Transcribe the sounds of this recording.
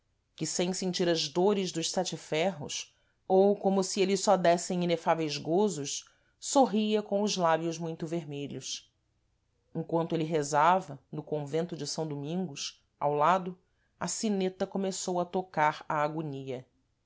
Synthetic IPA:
kɪsẽj̃sẽnt͡ʃiɾɐzd̪oɾɪzd̪ʊʃsɛt͡ʃɪfɛɦʊ̰s | owkõmʊsielɪsɔd̪ɛsẽj̃inefavejzɡozʊʃ | soɦiɐkõw̃ʊzlabjʊzmũj̃t̪ʊveɾmeʎʊs | ẽŋkwɐ̃nt̪ʊelɪɦezavɐnʊkõvẽnt̪ʊd͡ʒɪsɐ̃w̃d̪umĩŋɡʊs | a̰wlad̪ʊ | ɐsinet̪ɐkomesowɐt̪okaɾɐːɡuniɐ

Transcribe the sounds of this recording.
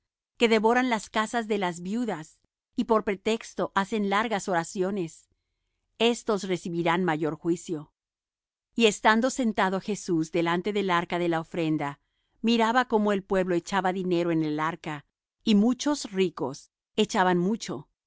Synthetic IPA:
ke̞ðe̞βo̞ɾanlaskasazðe̞lazβjuðas | ipo̞ɾpɾe̞t̪e̞kst̪o̞ʔase̞nlaɾɣaso̞ɾasjo̞ne̞s | e̞st̪o̞sre̞siβiɾanmaʝo̞ɾxwisjo̞ | ie̞st̪and̪o̞se̞nt̪aðoxe̞suzd̪e̞lant̪e̞ðe̞laɾkaðe̞laofɾe̞nd̪a | miɾaβako̞mo̞e̞lpwe̞βlo̞e̞t͡ʃaβaðine̞ɾo̞enelaɾka | imut͡ʃo̞sriko̞̰s | e̞t͡ʃaβanmut͡ʃo̞

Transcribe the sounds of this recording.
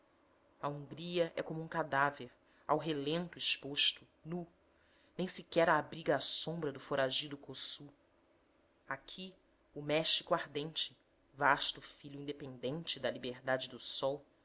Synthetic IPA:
ɐũŋɡɾiɐʔɛ̰kõmʊũŋkad̪aveɾ | a̰wɦelẽnt̪ʊɪʃpoʃt̪ʊ | nu | nẽj̃sikɛɾaːbɾiɡɐːsõmbɾɐd̪ʊfoɾaʒid̪ʊkosu | akʰi | ʊmɛʃikʊaɾd̪ẽnt͡ʃɪ | vaʃt̪ʊfiʎjʊĩnd̪epẽnd̪ẽnt͡ʃɪd̪ɐlibeɾd̪ad͡ʒɪd̪ʊsɔw

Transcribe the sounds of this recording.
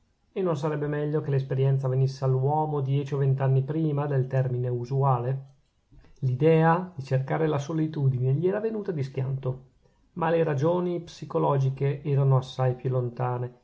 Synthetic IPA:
enːons̬aɾɛbːemɛʎːokelespeɾjɛnt̪savenisːealːuwɔːmod̪jɛːt͡ʃiovent̪anːipɾiːmad̪elt̪ɛrmineuzuaːle | lid̪ɛːad̪it͡ʃerkaːɾelasolit̪uːd̪ineʎiɛːɾavenuːt̪ad̪iskja̰nt̪o | maleɾad͡ʒoːnipsikolɔːd͡ʒikeʔɛːɾanoasːajpjulːont̪aːne

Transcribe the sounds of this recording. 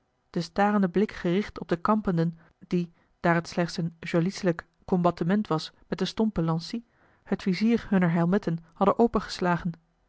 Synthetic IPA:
d̥əstaːrəndəblɪkχərɪχtɔb̚dəkɑmpəndən | d̥i | d̥aːrətslɛχtsənʒolisələkːɔmbɑtəmɛntʋɑsmɛt̚dəstɔmpəlɑnsi | hətfiziːrɦɵnəɹɦɛlˠmɪtənhɑdənʔowpəχə̥slaːχən

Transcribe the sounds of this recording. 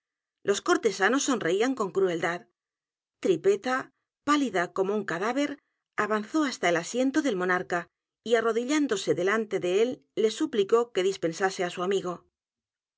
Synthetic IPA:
lʔo̞sko̞ɾt̪e̞sano̞sːo̞nre̞iaŋko̞ŋkɾue̞ld̪að | t̪ɾipe̞t̪a | paliðako̞mo̞uŋkaðaβe̞ɾ | aβanθo̞ast̪ae̞lasje̞nt̪o̞ðe̞lmo̞naɾka | iaro̞ðiʎand̪o̞se̞ðe̞lant̪e̞ðe̞e̞lːe̞supliko̞ke̞ðispe̞nsase̞asuamiɣ̞o̞

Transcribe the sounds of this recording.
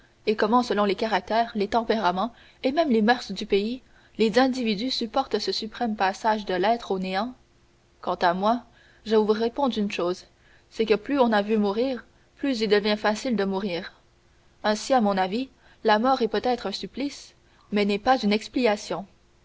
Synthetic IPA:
ekɔmɑ̃səlɔ̃lekaʁak̚t̪ɛːʁlet̪ɑ̃peʁamɑ̃ | emɛmlemœʁsd̪ypei | lezɛ̃d̪ivid̪ysypɔʁt̪səsypχɛmpasaʒd̪əlɛt̪χoneɑ̃ | kɑ̃t̪amwa | ʒəvuʁepɔ̃d̪ʁynʃoːz | sɛkəplyɔ̃navymuʁiːʁ | plyzild̪əvjɛ̃fasild̪əmuʁiːʁ | ɛ̃siamɔ̃navi | lamɔːʁɛpøt̪ɛt̪χœ̃syplis | mɛnɛpazynɛksplikasjɔ̃

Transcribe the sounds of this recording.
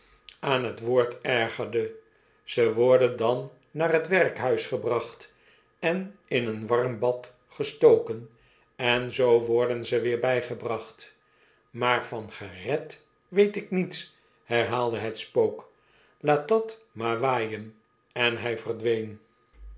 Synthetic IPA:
aːnɦətʋoːɹtɛɹχəɹdə | z̥əʋɔɹdəndɑnː | aːrɦətʋɛrkɦœɥsχəbrɑχt | ɛnɪnənʋɑrmbɑt | χəstowkən | ɛnzowʋɔɹdənzəʋɪːɹbɛjχəbrɑχt | maːɹvɑnχərɛt | ʋejtɪknits | hɛɹɦaːlˠdəɦətspowk | laːt̚dɑt | maːɹʋaːjən | ɛnɦɛjvərdʋejn

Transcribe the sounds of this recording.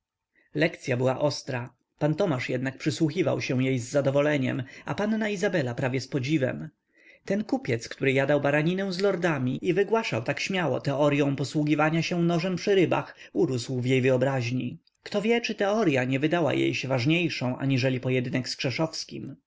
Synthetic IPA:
lɛkt̪sʲjabɘwa̰ʔɔst̪ɾa | pant̪ɔmaʂjɛd̪nak̚pʂɘswuxʲiva̰wɕɛw̃jejzːad̪ɔvɔlɛɲɛ̰ma̰panːaizabɛlapɾavʲjɛspɔd͡ʑivɛ̰m | t̪ɛnkupʲjɛt̪skt̪uɾɘjad̪awbaɾaɲinɛw̃zlɔɾd̪amʲiivɘɡwaʂawt̪akɕmʲjawɔ̰t̪ɛɔɾjɔ̃w̃pɔswuɡʲivaɲaɕɛ̃nɔʐɛmpʂɘɾɘba̰x | uɾuswvjejvɘɔbɾaʑɲi | kt̪ɔvʲjɛt͡ʂɘt̪ɛɔɾjaɲɛvɘd̪awa̰jḛjɕɛvaʐɲejʂɔ̃w̃ʔa̰ɲiʐɛlʲipɔjɛd̪ɘnɛkskʂɛʂɔfskʲim

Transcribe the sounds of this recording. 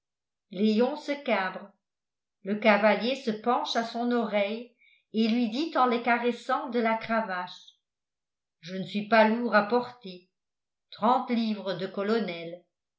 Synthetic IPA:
leɔ̃səkabʁə | ləkavaljesəpɑ̃ʃasɔ̃nɔʁɛj | elɥid̪it̪ɑ̃lekaʁɛsɑ̃d̪əlakχavaʃ | ʒənəsɥipaluʁapɔʁt̪e | t̪χɑ̃t̪livʁəd̪əkɔlɔnɛl

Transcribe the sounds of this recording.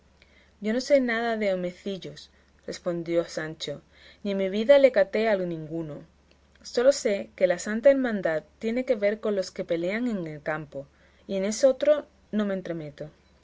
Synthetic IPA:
ɟ͡ʝo̞no̞senaðaðe̞ome̞θiʎos | re̞spo̞nd̪jo̞sant͡ʃo̞ | nimiβ̞iðale̞kat̪e̞alonĩŋɡuno | so̞lo̞se̞ke̞lasant̪aeɾmãnd̪aðt̪ːje̞ne̞ke̞βe̞ɾko̞nlo̞ske̞pe̞le̞aŋe̞ŋelkampo̞ | iene̞so̞t̪ɾo̞ | nõ̞mẽ̞nt̪ɾe̞me̞t̪o̞

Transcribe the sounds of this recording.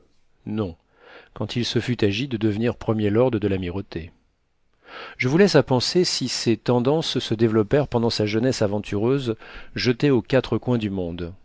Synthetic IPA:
nɔ̃ | kɑ̃t̪ʰilsəfyt̪aʒid̪əd̪əvniʁpχəmjelɔʁd̪ʁəd̪əlamiʁot̪ʰe | ʒəvulɛsapɑ̃sesiset̪ɑ̃d̪ɑ̃ssəd̪evlɔpɛʁpɑ̃d̪ɑ̃saʒənɛsavɑ̃t̪ʰyʁøzʒət̪eokat̪χəkwɛ̃d̪ymɔ̃d̪

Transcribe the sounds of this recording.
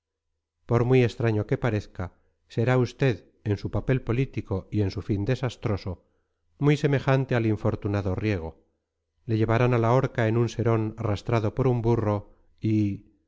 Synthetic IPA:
po̞ɾmwie̞st̪ɾaɲo̞ke̞paɾe̞θka | se̞ɾaust̪e̞ð | e̞nsupape̞lpolit̪iko̞ie̞nsufind̪e̞sast̪ɾo̞so̞ | mujse̞me̞xant̪ealiɱfo̞ɾt̪unaðorje̞ɣ̞o̞ | le̞ʝe̞βaɾanalao̞ɾkae̞nunse̞ɾo̞narast̪ɾaðo̞po̞ɾumburo̞ | i

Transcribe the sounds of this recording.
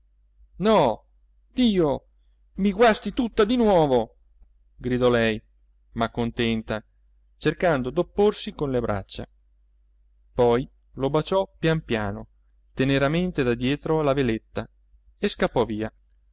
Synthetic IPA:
nɔ | d̪̥iːo | miɡwast̪it̪ut̪ːad̪inwɔːvo | ɡɾid̪ɔlɛj | makːont̪ɛnt̪a | t͡ʃerkand̪od̪opːorsikonlebɾa̰t͡ʃːa̰ | pɔj | lobat͡ʃɔpjampjaːno | t̪eneɾament̪ed̪ad̪jɛːt̪ɾoalavelet̪ːa | eskapːɔviːa

